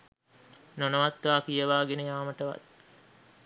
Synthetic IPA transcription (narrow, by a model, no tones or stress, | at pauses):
nonəʋat̪ʋaːkijəʋaːɡenəjaːməʈəʋa̰t̪̚